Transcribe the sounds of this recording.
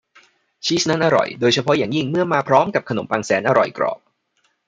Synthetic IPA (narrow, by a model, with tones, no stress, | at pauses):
t͡ɕʰiː˦˥sna˦˥˩nʔa˧ɾɔ̰˨˩jdoː˧jt͡ɕʰa˧pʰɔ˦˥jaː˨˩ŋji˥˩ŋmɯ˥˩ɐmaː˧pʰɾɔː˦˥mka˨˩p̚kʰa˧no˩˦mpaː˧ŋsɛː˩˦nʔa˧ɾɔ̰˨˩jkɾɔ̰ː˨˩p̚